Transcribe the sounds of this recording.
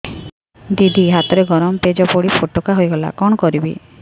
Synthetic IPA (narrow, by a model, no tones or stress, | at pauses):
d̪id̪ʱiɦat̪ɔɾeɡɔɾɔmɔped͡ʒɔpoɽipʰoʈɔkaɦojɡɔla̰kɔɳ̃ɔkɔɾibḭ